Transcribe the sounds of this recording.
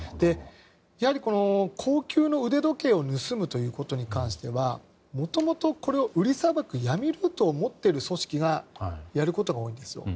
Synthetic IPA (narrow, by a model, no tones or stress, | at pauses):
d̪̥e̞ | jahaɾʲiko̞no̞kʰo̞ːkʲɨːno̞ɯ̟d̪e̞d̪o̞ke̞ːo̞nɯ̟sɨmɯ̟t̪o̞jɯ̟ːko̞t̪o̞ɲ̟ikãɰ̃ɕi̥t̪e̞βa | mo̞t̪o̞mo̞t̪o̞ko̞ɾe̞o̞ʔɯ̟ɾʲisabakɯ̟jamʲiɾɯ̟t̪o̞ːmo̞t̪ːe̞ɾɯ̟so̞ɕi̥kʲiɡajaɾɯ̟ko̞t̪o̞ɡao̞ːĩnd̪e̞sɨjo̞̰